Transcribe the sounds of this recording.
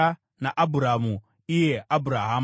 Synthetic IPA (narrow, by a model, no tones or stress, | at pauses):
a | naʔabuɾamu | ijeabuɾaɦam